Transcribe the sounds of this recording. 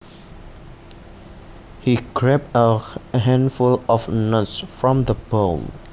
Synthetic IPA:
hikʰɹɛp̚əɦɛ̃nfulɔfnɔtsfɹɔ̃mðəbom

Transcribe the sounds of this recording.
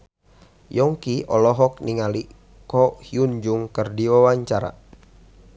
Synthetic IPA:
jɔŋkiʔɔlɔɦɔk̚niŋali | kɔhiund͡ʒuŋkərdiwawaɲt͡ʃaɾa̰

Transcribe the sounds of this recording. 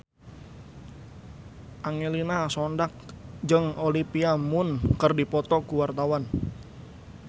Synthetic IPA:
ʔaŋelinasɔndak̚d͡ʒəŋolipiamʊnkərdipɔt̪ɔkuwart̪awan

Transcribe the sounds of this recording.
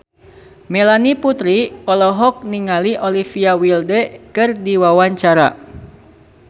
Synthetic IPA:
mɛlaniput̪ɾiɔlɔɦɔk̚niŋaliʔolifiawildɛkɨrdiwawaɲt͡ʃaɾa̰

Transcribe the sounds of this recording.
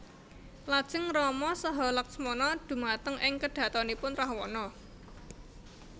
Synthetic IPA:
lad̥ʒ̥ə̤ŋrɔmɔsəɦɔlɔk̚smɔnɔd̪̥ṳmat̪əŋɪŋkəɖ̥ä̤t̪ɔnipʊnrahwɔnɔ

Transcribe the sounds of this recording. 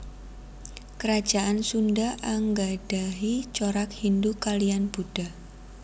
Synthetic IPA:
kəɾḁd͡ʒ̥aansundaʔaŋɡad̥aɦit͡ʃoɾak̚hindukalianb̥ud̥a

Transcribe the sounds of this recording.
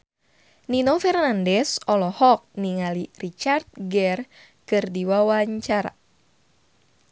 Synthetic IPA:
ninofɛrnandɛsɔlɔhɔk̚niŋalirit͡ʃart̪̚ɡɛr | kɨrdiwawaɲt͡ʃaɾa̰

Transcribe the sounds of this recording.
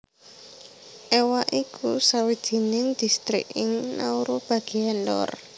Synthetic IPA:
ʔewaʔikʰusawid̥d̥i̤nɪŋd̪̥i̤st̪ɾḭkɪŋnauɾob̥aɡ̥i̤ɛndɔ̰r

